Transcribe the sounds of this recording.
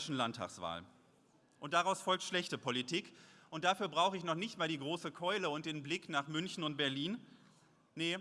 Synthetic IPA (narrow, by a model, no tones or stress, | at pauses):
ʃn̩lantʰa̰ːksv̥a̰ːl | ʔʊnt̚d̥aʁaʊsfɔlk̚tʃlɛçtəpʰolitʰiːkʔʊnt̚d̥afyːɐbʁaʊxəɪçnɔχnɪçtmaːldiːɡʁoːsəkʰɔʏləʊnt̚d̥eːnblɪknaːχmʏnçn̩ʊnt̚b̥ɛɐliːn | nə